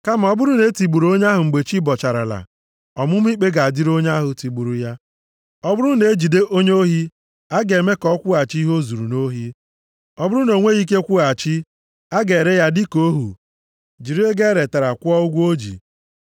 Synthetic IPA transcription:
ka˦m̩˨ɔ˦bʊ˦ɾʊ˦ne˦ti˨ɡ͡bu˨ɾo˦ɲ˦a˦ɦʊ˨ŋ͡m̩˨ɡ͡be˨t͡ʃi˦bɔ˨t͡ʃa˨ɾa̰˨la̰˨ | ɔ˨mʊ˦m̩˦i˦k͡pe˦ɡa˨a˨di˦ɾo˦ɲ˦a˦ɦʊ˨ti˨ɡ͡bu˨ɾu˨ja˦ | ɔ˦bʊ˦ɾu˦ne˨˦d͡ʒi˨de˦ʔo˦ɲ˦o˦ɦi˦ | a˦ɡe˨me˦kɔ˦kʷʊ˦a˨t͡ʃi˦ɦo˦zu˨ɾu˨no˦ɦi˦ | ɔ˦bʊ˦ɾu˦no˨ŋʷe˦ɣi˦k̬e˦kʷu˦a˨t͡ʃi˦ | a˦ɡe˨ɾe˦ja˦dɪ˦ko˦ɦṵ˨ | d͡ʒi˨ɾi˦e˦ɡe˦ɾe˨ta˨ɾa˨kʷʊ˦ɔ˦ʊ˦ɡʷo˦d͡ʒḭ˨

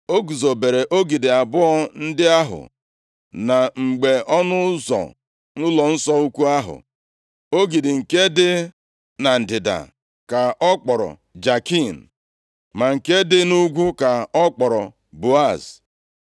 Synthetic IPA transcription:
o˦ɡu˨zo˨be˨ɾe˨ʔo˦ɡi˨dɪ˨a˨bʊ˦ɔ˦n̩˦dɪ˦a˦ɦʊ̰˨ | na˨ŋ͡m̩˨ɡ͡be˨ɔ˦nʊ˦zɔ̰˨ | nʊ˦lɔ˨n̩˦sɔ˦u˦kʷu˦a˦ɦʊ̰˨ | o˦ɡi˨dɪ˨ŋ̩˨ke˦dɪ˦ | na˨n̩˨dɪ˨da̰˨ | ka˨ɔ˦k͡pɔ˨ɾɔ̰˨ | d͡ʒa˨ki˦˨n̩˨ | ma˨ŋ̩˨ke˦dɪ˦nu˦ɡʷu˦ka˨ɔ˦k͡pɔ˨ɾɔ˨ | bu˨a˦˨s

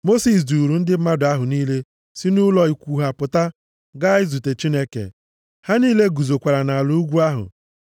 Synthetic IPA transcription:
mo˦si˨s̬du˨ɾu˨n̩˦dɪ˦ma˦dʊ˨a˦ɦʊ˨niː˦le˦ | si˦nu˦lɔ˨i˨kʷuː˨ɦa˨pʊ˨ta˦ | ɡa˦ɪ˦zu˨te˨t͡ʃi˦ne˦kḛ˨ | ha˦niː˦le˦ɡu˨zo˨kʷa˨ɾa˨na˨a˨lu˦u˦ɡʷu˦a˦ɦʊ̰˨

